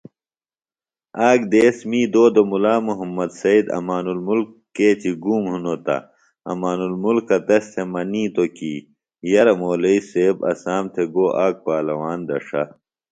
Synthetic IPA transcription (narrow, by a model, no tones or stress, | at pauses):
aːɡd̪eːsmiːd̪oːd̪omulaːmuɦɐmːɐd̪sɐid̪ɐ̰maːnulmulkːeːt͡ɕiɡuːmɦunot̪ɐ̰ | ɐ̰maːnulmulkːɐt̪ɐst̪ʰemɐniːt̪oki | jɐɾɐmoːlɐiseːbɐ̰saːmt̪ʰeɡoːʔaːk̚paːlɐwaːnd̪ɐ̰ʂɐ̰